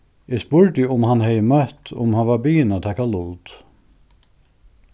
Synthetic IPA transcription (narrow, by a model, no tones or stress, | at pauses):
ɪspʊɹt̪ɪʊmhanhɛjəmœht̪ʊ̰mhanvaɾbiːjɪnat̪ʰɛhkalʊlt̪